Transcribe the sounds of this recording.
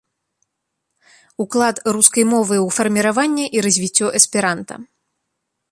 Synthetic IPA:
uklˠat̪ruskɐjmɔvɨwfɐrmʲiɾavanʲːɛʔiɾɐzʲvʲit͡sʲːɔʔɛspʲiɾant̪ɐ̰

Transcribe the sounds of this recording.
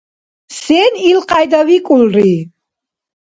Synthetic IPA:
sɛnilqʼajd̪avikʼulɾi

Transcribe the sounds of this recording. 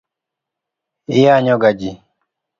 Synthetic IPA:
ijaɲɔɡad͡ʒi

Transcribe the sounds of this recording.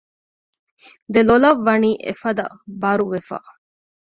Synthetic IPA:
d̪elolɐʋːɐniːʔḛfɐd̪ɐ̰bɐɾuʋefa̰

